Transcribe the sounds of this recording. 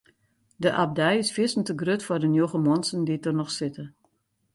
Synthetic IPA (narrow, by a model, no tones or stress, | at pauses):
dəʔab̚dɛjɪsfɪsn̩təɡrøtfɔrdənjoɣəmɔnsənditɔrnɔxsɪtə